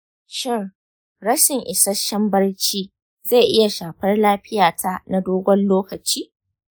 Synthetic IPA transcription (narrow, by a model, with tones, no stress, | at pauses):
ʃɪ˦r | ɾɐ˦ʃɪ˨ŋʔɪ˨sɐ˦ʃɐ˦mbɐ˦rt͡ʃiː˦ | ze˦˨ʔɪ˦ja˨ʃaː˨ɸɐ˦rlaː˦ɸɪ˦jaː˨tʰa˦na˦doː˦ɡʷɔ˦nloː˦kɐ˨t͡ʃiː˦